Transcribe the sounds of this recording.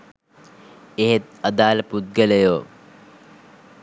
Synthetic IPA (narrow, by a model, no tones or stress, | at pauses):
eɦet̪̚ɐd̪aːləput̪̚ɡəlejoː